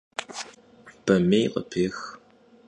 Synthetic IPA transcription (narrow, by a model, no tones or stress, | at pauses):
b̥ɐmeːjqʼə̰pʰeːx